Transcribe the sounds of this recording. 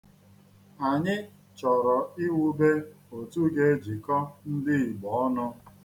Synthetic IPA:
a˨ɲɪ˦ | t͡ʃɔ˨ɾɔ˨i˦wu˦be˦ | o˨tu˦ɡe˦d͡ʒi˨kɔ˦n̩˦dɪ˦i˨ɡ͡bɔ˨ɔ˦nʊ˦

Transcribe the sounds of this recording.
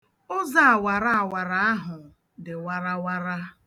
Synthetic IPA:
ʊ˦za˦a˨wa˨ɾa˦a˨wa˨ɾa˦a˦ɦʊ˨ | dɪ˨wa˦ɾa˦wa˦ɾa˦

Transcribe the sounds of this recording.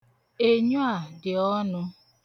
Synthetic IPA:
e˨ɲʊ˦a˨dɪ˨ɔ˦nʊ˦

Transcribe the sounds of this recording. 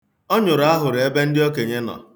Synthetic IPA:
ɔ˦ɲʊ˨ɾa˦ɦʊ˨ɾɪ˨e˦be˦n̩˦dɪ˦ɔ˦ke˨ɲe˦nɔ̰˨

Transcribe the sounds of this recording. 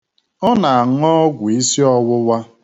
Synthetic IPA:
ɔ˦na˨a˨ŋ̩˦ɔ˦ɡʷʊ˨i˦si˦ɔ˦wʊ˦wa˦

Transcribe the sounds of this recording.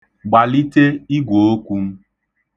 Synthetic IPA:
ɡ͡ba˨li˦te˦i˦ɡʷo˨o˦kʷu˦m̩˦

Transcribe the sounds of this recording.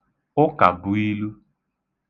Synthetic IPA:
o˦ka̰˨bu˦i˦lu˦

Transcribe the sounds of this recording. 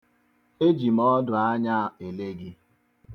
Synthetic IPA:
e˦d͡ʒi˨mɔ˦dʊ˨a˦ɲa˦˨e˨le˦ɡi˦

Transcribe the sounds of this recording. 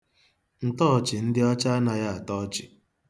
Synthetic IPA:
n̩˨tɔ˦˨t͡ʃɪ˨n̩˦dɪ˦ɔ˦t͡ʃa˦na˨ja˦a˨tɔ˦t͡ʃɪ˨

